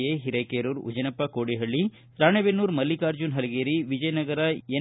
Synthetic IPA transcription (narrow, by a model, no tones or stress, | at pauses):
eɦiɾɐkeːɾuːɾṵd͡ʒɐnɐpːɐkoːɽiɦɐɭːi | sɾaːɳebenːuːɾmɐlːikaːɾd͡ʒunɦɐlɐɡeːɾiʋid͡ʒɐjɐnɐɡɐɾɐe